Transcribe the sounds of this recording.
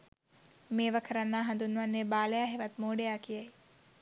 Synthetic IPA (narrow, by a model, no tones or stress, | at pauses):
meːʋəkʰəɾɐnːaːɦand̪unːʋɐnːebaːlejaːɦeʋɐt̪moːɖejaːkijɐj